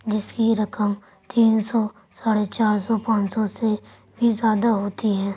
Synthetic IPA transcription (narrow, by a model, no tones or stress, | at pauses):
d͡ʒɪskiɾɐkəm | t̪iːnsɔ | saːɽet͡ʃaːɾsɔpãːt͡ʃsɔse | bʱizjaːd̪aɦoːt̪iɦɛ̃ː